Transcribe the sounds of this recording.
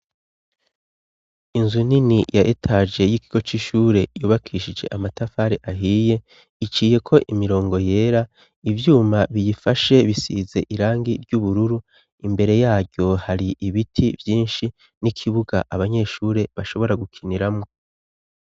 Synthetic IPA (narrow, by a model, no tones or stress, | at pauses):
inzuninijʔaʔetʰad͡ʒe̞jikiɡo̞t͡ʃiʃuːɾe̞juːβakʰiːʃid͡ʒe̞̰ʔamatafaɾeʔaɦiːje̞ | it͡ʃiːje̞kʰo̞ʔimiɾo̞ːŋɡo̞je̞ːɾa | ivjuːmaβijifaʃe̞βisḭze̞ʔiɾaːŋɡiɾɟuβuɾuɾu | imbe̞ɾe̞jaːɾɟo̞haɾiʔiβitʰivjiːnʃi | nikʰiβuɡaʔaβaɲe̞ːʃuːɾe̞βaʃo̞βo̞ɾaɡukʰiniɾamŋo̞